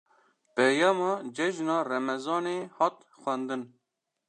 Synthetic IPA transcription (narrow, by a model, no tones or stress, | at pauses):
pɛjɑːmɑːd͡ʒɛʒnɑːrɛmɛzɑːneːhɑt̪̚ | xʷɛnd̪ɨn